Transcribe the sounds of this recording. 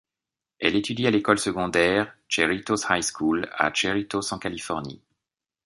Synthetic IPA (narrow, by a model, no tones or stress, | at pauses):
ɛ̰let̪yd̪ialekɔlsəɡɔ̃d̪ɛʁt͡ʃeʁit̪oshajskʰula̰t͡ʃeʁit̪osɑ̃kalifɔʁnḭ